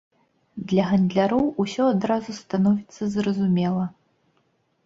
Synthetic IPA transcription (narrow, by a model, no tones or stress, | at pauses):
d̪lʲɐɣɐnd̪lʲaɾɔwusʲɔad̪ɾazust̪anɔvʲit̪sːɐzrɐzumʲɛlˠɐ